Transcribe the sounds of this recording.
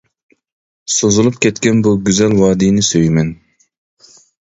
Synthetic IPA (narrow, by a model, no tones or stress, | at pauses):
sozɨlˠup̚kʲʰɛt̪kʲɛnbuɡʲyzɛlwɑːd̪inɪsøjmɛn